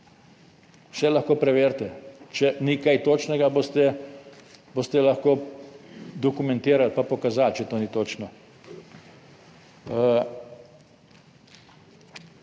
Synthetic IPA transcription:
sɛlaxkoːpɾɛʋeːɾt̪ɛt͡ʃɛnikajt̪oːt͡ʃnɛɡaboːst̪ɛ | boːst̪ɛlaxkoː | d̪ɔkumɛ̃nt̪eːɾalpapɔkazaːlt͡ʃɛt̪oːnit̪oːt͡ʃnɔ

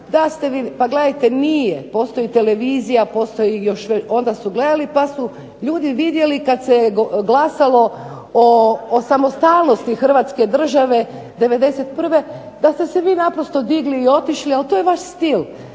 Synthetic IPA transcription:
d̪ast̪e̞ʋipaɡle̞d̪ajt̪e̞nijepo̞ːst̪o̞jit̪e̞le̞ʋiːzijapo̞ːst̪o̞jijo̞ʃʋo̞nd̪asuɡle̞d̪alipasu | ʎuːd̪iʋid̪je̞likad̪seɡlasalo̞ | oːsamo̞st̪aːlˠno̞st̪ixr̩ʋat̪ske̞d̪r̩ʒaʋe̞ | d̪e̞ʋe̞d̪e̞set̪̚pr̩ʋe̞ | d̪ast̪e̞se̞ʋiːnapɾo̞st̪o̞d̪iɡliːo̞t̪iʃlialt̪oːjeʋaʃst̪il

